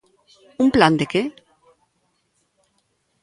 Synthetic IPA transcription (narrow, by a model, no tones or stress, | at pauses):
umpland̪eke